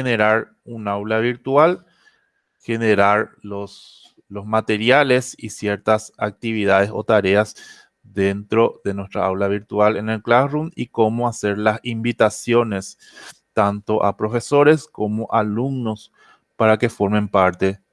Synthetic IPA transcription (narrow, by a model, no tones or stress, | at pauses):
ene̞ɾaɾ | unawlaβiɾt̪wal | xe̞neɾaɾlos | lo̞smat̪e̞ɾjale̞sisje̞ɾt̪asak̚t̪iβiðaðe̞so̞̰t̪aɾe̞as | ðent̪ɾo̞ðe̞nwe̞st̪ɾaawlaβ̞iɾt̪walene̞lklasrumiko̞moase̞ɾlasimbit̪asjo̞ne̞s | t̪ant̪o̞ʔa̰pɾo̞fe̞so̞ɾe̞sko̞mo̞ʔaluɡno̞s | paɾake̞fo̞ɾme̞mpaɾt̪e̞